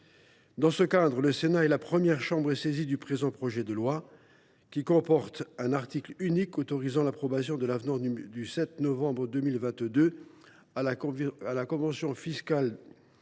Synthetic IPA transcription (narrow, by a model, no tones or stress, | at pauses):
d̪ɑ̃səkad̪ʁələsenaɛlapχəmjɛʁʃɑ̃bʁɛsezid̪ypχezɑ̃pχɔʒɛd̪əlwa | kʲikɔ̃pɔʁt̪ɛ̃naʁt̪iklynikot̪ɔʁizɑ̃lapχɔbasjɔ̃d̪əlavnɔ̃d̪ysɛt̪nɔvɑ̃bʁəd̪ømilvɛ̃t̪d̪ø | aalakɔ̃vɑ̃sjɔ̃fiskal